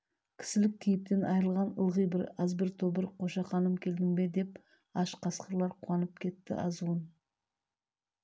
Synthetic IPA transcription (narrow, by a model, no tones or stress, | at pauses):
kʲʰɪ̥sɪlɪk̚kʲʰijɪp̚t̪e̞nɑjəɾəlˠʁɑnə̰lˠʁəjbɪɾɑzbɪɾt̪ʰobəɾqʰo̞ʃɑχɑnəmkʲʰe̞ld̪ɪŋbe̞d̪e̞p̚ | ɑʃqʰɑsqəɾlˠɑɾqʰuɑnəp̚kʲʰe̞t̪ːɪ̰ʔɑzuwən